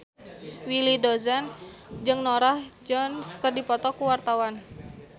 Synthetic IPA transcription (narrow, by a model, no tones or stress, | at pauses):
wilidɔzand͡ʒɨŋnɔɾahd͡ʒɔnskərdipɔt̪ɔkuwart̪awan